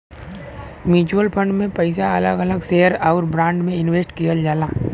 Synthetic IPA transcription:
mjuːt͡ʃuəlpʰə̃ɳɖmẽpəɪsaɐləɡələɡsejəɾaːɾbɾãːɳɖmẽɪnweːsʈkijəld͡ʒaːlaː

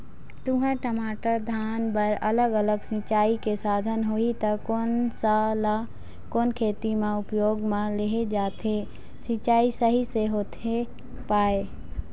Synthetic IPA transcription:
t̪ʊɦə̃ʈəmaːʈəɾd̪ʱaːnbəɾələɡələɡsɪ̃t͡ʃaːikesaːd̪ʱənɦoit̪əkonsala | koːnkʰeːt̪imẽʊpjoːɡmẽleɦed͡ʒaːt̪ʰe | sit͡ʃaːisəɦiseɦoːt̪ʰe | paːe

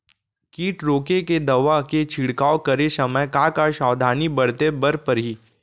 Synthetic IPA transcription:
kiːʈɾoːkeked̪ɐʋaket͡ʃʰiɽkaːokɐɾesɐməjkakaʃɔːd̪ʱaːnibɐɽ̤t̪ebɐɾpɐɾɦiː

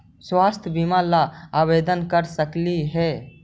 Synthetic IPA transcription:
swaːst̪ʰbimalaabed̪ənkəɾsəkliɦɛ

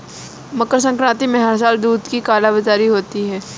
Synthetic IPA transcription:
mɐkəɾs̬ə̃ŋkɾãːt̪imɛ̃ɦəɾs̬aːld̪uːd̪kikaːlabɪt̪aːɾiɦoːt̪iɦɛː

